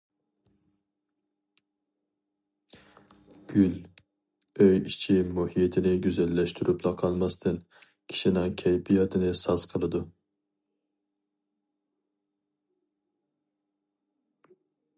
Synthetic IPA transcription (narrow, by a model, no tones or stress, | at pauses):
ɡ̥ʲyl | øjit͡ʃʰimuhijet̪ʰɪnɪɡʲyzɛlːɛʃt̪ʰyɾʔyplˠɑqʰɑlˠmɑst̪ʰɨn | kʲʰi̥ʃinɪŋkʲʰɛjpijɑt̪ʰɨnɨsɑz̥qʰəlˠɨd̪u